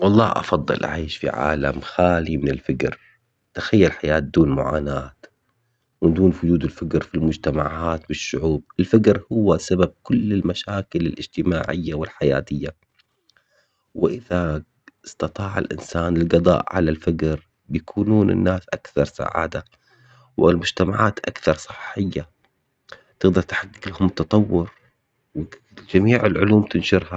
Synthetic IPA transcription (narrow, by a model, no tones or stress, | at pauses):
wɑlˤːɑːʔɑ̰fɑd̪ˤːɨ̰lʔa̰ʕiːʃfḭʕa̰ːla̰mxaːlimɪnɪlfɪkɾ | t̪axajːalħajaːt̪̚d̪uːnmʊ̰ʕa̰ːnaːt̪ | mɪnd̪uːnfʊd͡ʒuːd̪ɪlfɪkɾfilmʊd͡ʒt̪amaʕaːt̪bɪʃːʊʕuːb̚ɪlfɪkɾhʊwːasabab̚kʊlːɪlmaʃaːkɪlɪlʔɪd͡ʒt̪ɪmaːʕɪjːawɪlħaja̰ːt̪ɪjːa | wɪʔɪða | ɪst̪ɑt̪ˤɑːʕɪ̰lʔɪ̰nsaːnɪlɡɑd̪ˤɑ̰ːʔʕalalfakɾ | bjakʰuːnuːnʔɪ̰nːaːsʔakθɑɾˤsa̰ʕa̰ːd̪a | wɪlmʊd͡ʒt̪amaʕaːt̪ʔakθɑɾˤsˤɨ̥ħːɪjːa | t̪ɪɣd̪ɑɾˤt̪ḁħaɡːɪklahʊmt̪ːɑt̪ˤɑwːʊɾ | wɪ | d͡ʒamiːʕɪlʕʊluːmt̪ɪnʃʊɾha